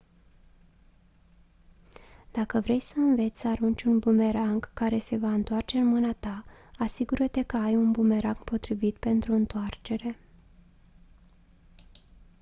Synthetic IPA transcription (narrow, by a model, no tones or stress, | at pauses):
d̪̥akəvɾe̞jsəɨnve̞t̪sʲsəaɾunt͡ʃʲunbume̞ɾaŋkːaɾe̞se̞vaɨnt̪oart͡ʃe̞ɨnmɨnat̪aasiɡuɾət̪e̞kəajunbume̞ɾaŋɡpo̞t̪ɾivit̪pe̞nt̪ɾuɨnt̪oart͡ʃe̞ɾe̞